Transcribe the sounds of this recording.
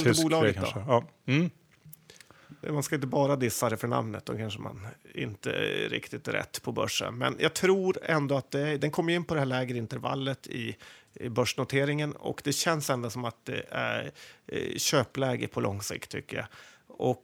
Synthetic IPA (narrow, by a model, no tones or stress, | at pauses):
əbuːlɑːɡəkd̪̰ | manskaɪnt̪̬əbɑːɾad̪ɪsːad̪ɛfœɳa̰mnət̪̚d̪ɔkʰanʂəma̰nɪ̰nt̪ə̰ɾɪ̰kt̪ɪt̪ɾɛ̰t̪ːpʰɔbœ̰ʂːə̰nmɛ̰njʔɑɡ̚t̪ʰɾuːɾɛnd̪ɔat̪̚d̪ɛæd̪ɛnkʰɔmːjɪnːpʰɔd̪ɛhæːɭɛːɡəɾɪnt̪əɾva̰lːət̪ʰɪ̰ | bœʂɳʊt̪ʰeːɾɪŋənɔ̰kd̪ɛɕɛnsɛnd̪asɔmat̪̚d̪ɛ̰æ̰ɾ | ɕøːplɛːɡə̰pʰɔlʔɔ̰ŋsɪ̰kt̪ʰːʏ̰kːəja̰ʔɔk